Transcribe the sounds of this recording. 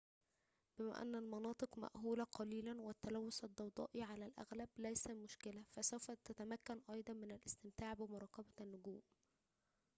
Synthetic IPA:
b̥ɪmæ̰ːʔæ̰nːælmɑnɑːt̪ˤɨqmæ̰ʔhuːlæqɑliːlænwæt̪ːælæwːʊsæd̪ˤːɑwd̪ˤɑ̰ːʔiʕalælʔæ̰ɣlæblæjsæmʊʃkɪlæfæsowfɑt̪ːæt̪æmækːænʔɑjd̪ˤɑnmɪnælʔɪst̪ɪmt̪aːʕbɪmʊɾˤɑːkɑbænːʊɡuːm

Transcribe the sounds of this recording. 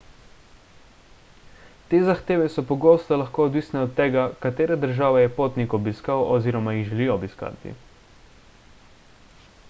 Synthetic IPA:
t̪eːzaxt̪eːʋɛsɔpɔɡoːst̪ɔlaxkoːɔd̪ʋiːsnɛɔt̪ːɛːɡakat̪eːɾɛd̪əɾʒaːʋɛjɛpoːt̪nikɔbiskawʔɔziːɾɔmajiɣʒɛliɔːbiska̰ːt̪ḭ

